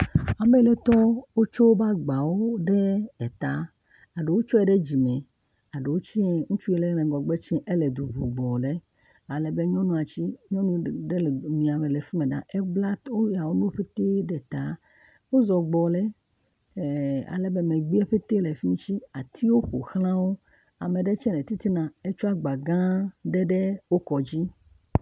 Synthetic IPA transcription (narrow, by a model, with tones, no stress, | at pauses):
a˨me˦le˦t̪ɔ˦wo˦t͡ʃo˦wo˦ba˦ɡ͡ba˨wo˦ɖe˦ɛ˨t̪a˨˦ | a˨ɖe˨wo˦t͡ʃɔ˦ɛ˨ɖe˦d͡ʑi˨mɛ̃˨ | a˨ɖe˨wo˦t͡ɕi˦ɛ˦ŋũ˦t͡ʃu˦ɛ˦le˦mẽ˨ŋɡɔ˨ɡ͡be˦t͡ʃĩ˦ʔe˦le˨d̪u˨bu˨ɡ͡bɔ˨le˦ | a˨le˨be˦ɲɔ̃˦nũ˦a˨t͡ɕi˦ɲɔ̃˦nũ˦ɖe˦˨mĩ˨a˨mẽ˨le˨fi˦mẽ˨ɖã̰˨ʔɛ˦bla˦t̪wo˦ja˨wo˦nũ˦o˦ɸe˦t̪e˦ɖɛ˨t̪a˨˦ | wo˦zɔ˨ɡ͡bɔ˨lɛ˦˨ | a̰˨lɛ˨bɛ˦mẽ˨ɡ͡bi˦ɛ˦ɸe˦t̪e˦le˨fi˦nũ˦t͡ɕi˦a˨t̪ʰi˦wo˦ɸo˨xlã˦wo˦ | a˨me˨ɖɛ˦t͡ʃɛ̃˦nɛ˨t̪i˦t̪i˦nã˨e˦t͡ʃu˦a˦ɡ͡ba˨ɡã˦ɖɛ˦ɖe˦wo˦kɔ˨d͡ʑi˦